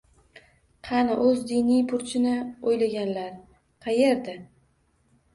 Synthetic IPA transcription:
qʰɑnɪʔɵzd̪inijpʰʊɾt͡ʃʰɪnɪojlaɡʲanlaɾ | qʰɑje̞ɾd̪ɪ

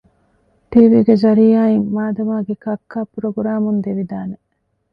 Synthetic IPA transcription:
ʈiːʋiːɡezɐɾijaːimːaːd̪ɐmaːɡekɐkːaːpɾoɡɾaːmund̪eʋid̪aːne

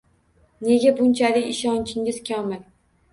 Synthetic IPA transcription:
ne̞ɡʲabʊnt͡ʃʰalɪkʲɪʃɒnt͡ʃʰɪŋʲɪz̥kʲʰɒmɪl

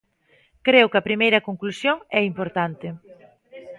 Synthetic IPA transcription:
kɾewkɐpɾimejɾɐkoŋklusjoŋɛimpoɾt̪ant̪ɪ

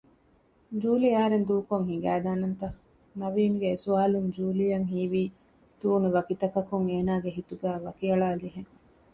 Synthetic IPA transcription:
d͡ʒuːliɐɦɐɾend̪uːkoŋɦiŋɡæːd̪aːnɐnt̪ɐ | nɐʋiːnuɡeːsuaːlund͡ʒuːlijɐŋɦiːʋiː | t̪uːnuʋɐkit̪ɐkɐkuŋeːnaːɡeɦit̪uɡæːʋɐkiɐɭaːliɦeŋ

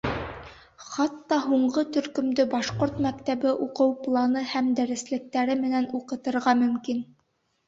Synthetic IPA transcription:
χɑt̪ːɑɦuɴɢɤt̪ɵ̆ɾkɵ̆md̪ɵbɑʃqoɾt̪mækt̪æβɘʔuqɤwplˠɑnɤhæmd̪æɾɘ̆slɘ̆k̚t̪æɾɘmɘ̆nænuqɤ̆t̪ɤ̆ɾʁɑmɵ̆mkin

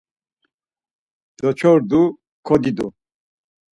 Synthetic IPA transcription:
d̪̥ɔt͡ʃʰɔɾd̪u | kʰɔd̪id̪u

